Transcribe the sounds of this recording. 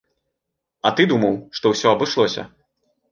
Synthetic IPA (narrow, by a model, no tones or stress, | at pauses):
ɐt̪ɨd̪umɐwʂt̪ɔwsʲɔɐbɨʂlˠɔsʲɐ̰